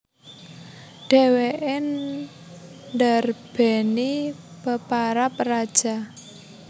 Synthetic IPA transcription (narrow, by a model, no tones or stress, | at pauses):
ɖ̥ɛ̤weʔɪn | dərb̥ɛ̤ni | b̥əpaɾap̚rad̥ʒ̥a